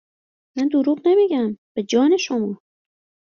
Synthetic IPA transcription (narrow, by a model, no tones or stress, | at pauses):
mænd̪oɾuːʁnemiːɟæmb̥e̞d͡ʒɒːne̞ʃomɒː